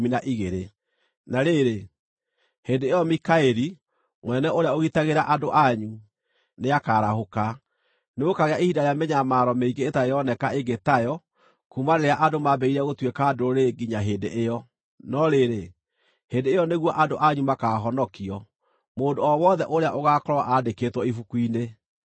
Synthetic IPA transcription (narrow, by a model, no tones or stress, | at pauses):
minaʔiɣeɾe | naɾeɾe | hendeejɔmikaeɾi | mwɛnɛʔoɾeaoɣitaɣeɾaʔadoʔaɲu | neakaɾahoka | neɣokaɣeaihidaɾeameɲamaːɾɔmeiɡeːtaejɔnɛkaeɡetajɔ | kumaɾeɾeaʔadomabɛiɾɛɣotwekaːdoɾoɾeɡiɲaɦedḛʔejɔ | nɔɾeɾe | hendeːjɔneɣwɔʔadoʔaɲumakaɦɔnɔkiɔ | moːndoɔwɔðɛʔoɾeaʔoɣaːkɔɾwaʔadeketwɔifukuine